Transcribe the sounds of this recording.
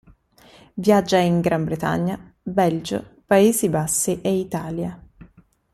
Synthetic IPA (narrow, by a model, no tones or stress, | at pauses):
vjad͡ʒːaiŋɡɾambɾet̪a̰ɲːa | bɛld͡ʒo̰paeːzibasːiʔeit̪aːlja